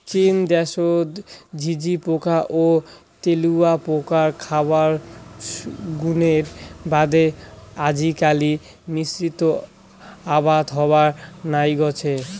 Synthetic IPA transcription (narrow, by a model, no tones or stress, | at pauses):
t͡ɕind̪ɛʃod̪d͡ʑʱid͡ʑipokaʔo | t̪eluapokaɾkʰabaɾ | ɡuneɾbad̪ead͡ʑʱikali | misɾit̪o | abad̪ɦɔbaɾnajɡɔt͡ɕʰe